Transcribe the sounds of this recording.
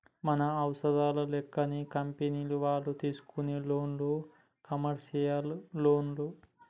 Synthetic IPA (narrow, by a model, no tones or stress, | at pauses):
mɐnɐɐwsɐd̪aːlɐlɛkːɐnikɐmpeniːluʋaːɭːut̪iːsu̥kuneːloːnloː | kɐmɐɾʂijɐlloːnlu